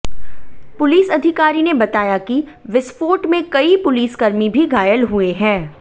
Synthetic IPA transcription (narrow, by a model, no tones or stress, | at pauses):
pʊliːsɐd̪ʱɪkaːɾinebɐt̪aːjakiʋɪsfoːʈmẽkɐipʊliːskɐɾmibʱiɡaːjəlɦueɦɛ̃ː